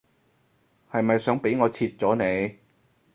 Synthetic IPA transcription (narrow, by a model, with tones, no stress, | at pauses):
hɐ˨jmɐ˨jsœː˨˥ŋpe˨˥jŋɔː˨˧t͡sʰiː˧t̚t͡sɔː˨˥ne˨˧j